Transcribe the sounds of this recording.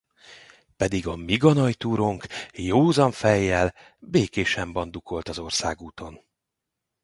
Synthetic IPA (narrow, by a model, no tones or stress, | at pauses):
pɛd̪iɡɒmiɡɒnɒjt̪uːɾo̞ŋkjoːzɒɱfɛjːɛl | beːkeːʃɛmbɒnd̪uko̞lt̪ɒzo̞rsa̰ːɡuːt̪o̞n